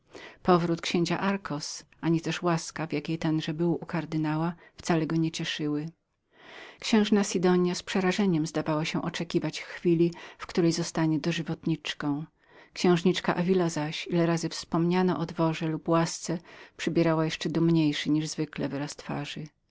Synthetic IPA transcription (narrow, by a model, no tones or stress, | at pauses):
pɔvɾut̪kɕẽɲt͡ɕaʔaɾkʰɔsʔaɲit̪ɛʂwaskavʲjakʲejt̪ɛndʐɛbɘwukaɾd̪ɘnawaft̪salɛɡɔɲɛt͡ɕɛʂɘwɘ | kɕɛ̃w̃ʐnasʲid̪ɔɲjaspʂɛɾaʐɛɲɛmzd̪avawaɕɛʔɔt͡ʂɛkʲivat͡ɕxfʲilʲifkt̪uɾɛjzɔst̪aɲɛd̪ɔʐɘvɔt̪ɲit͡ʂkɔ̃w̃ | kɕɛ̃w̃ʐɲit͡ʂkaʔavʲilazaɕilɛɾazɘfspɔmɲanɔ̰ʔɔd̪vɔʐɛlupwast̪sɛpʂɘbʲjɛɾawajɛʂt͡ʂɛd̪umɲejʂɘɲiʐzvɘklɛvɾast̪fa̰ʐɨ